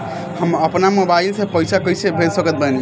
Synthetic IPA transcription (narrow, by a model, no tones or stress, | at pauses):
həməpnamobailsepəjsʰakəjsʰebʱelsəkət̪̚bən